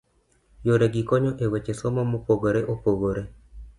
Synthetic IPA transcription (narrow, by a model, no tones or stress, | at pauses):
joɾeɡikoɲoʔewet͡ʃesomamopoɣoɾeʔopoɣoɾe